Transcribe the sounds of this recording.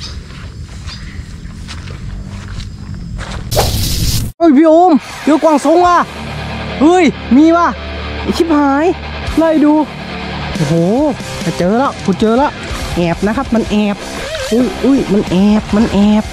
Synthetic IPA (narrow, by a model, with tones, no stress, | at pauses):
ʔɯː˧˩˨jpʰiː˧˨ʔoː˧˥˨m | joː˧˩kwaː˧˩ŋso˧˥ŋwaː˧˩˨ | ʔɯː˧˥˩jmiː˧˩waː˧˩˨ | kʰi˦˥˩p̚haː˨˦j | la˧˩jduː˧ | ʔo˧˩hoː˨˩ | kʰa˧˩t͡ɕɤː˧˨lɔ˧˥ʔkʰuː˧˩t͡ɕɤː˧lɔ˧˥ʔʔɛː˨˩p̚na˧kʰa˦˥p̚ma˧˥˨nʔɛː˧˩p̚ | ʔɯ˧˥˩jʔɯː˧˥˩jma˧˥nʔɛː˧˩p̚ma˧˥˨nʔɛː˧˩p̚